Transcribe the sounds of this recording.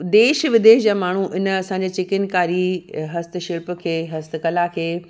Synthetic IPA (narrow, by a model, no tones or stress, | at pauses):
d̪eːʃʋɪd̪eːʃd͡ʑaːmaːɳ̤uʔɪnəɐsãɲd͡ʑeːt͡ɕɪkɪnkaːɾiɦɐst̪̆ʃɪɭpkʰeːɦɐst̪kɐlakʰeː